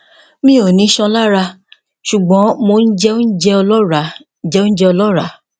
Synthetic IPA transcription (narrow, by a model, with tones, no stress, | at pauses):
mĩ˦o˨nĩ˨˦ʃɔ̃˧la˦ɾa˧ | ʃu˨ɡ͡bɔ̃˨˦mo˧n̩˦d͡ʒɛ˦o˦n̩˦d͡ʒɛ˦ɔ˧lɔ˦ɾa˨˦ | d͡ʒɛ˦o˦n̩˦d͡ʒɛ˦ɔ˧lɔ˦ɾa˨˦